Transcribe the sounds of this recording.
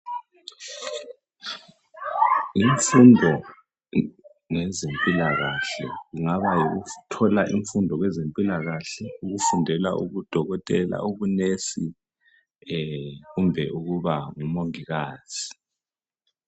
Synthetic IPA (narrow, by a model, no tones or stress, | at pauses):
iɱfundʱɔ | ŋɛzempʼilaɣaɬɛ̰ɣuŋaβajiɣutʰɔlaʔiɱfundʱɔɣwɛzempʼilaɣaɬɛuɣufundʱɛla̰ʔuɣud̥ʱɔɣɔtʼɛla̰uɣunesi | ɣumbʱɛʔuɣuβaŋumoŋiɣaːz̥i̥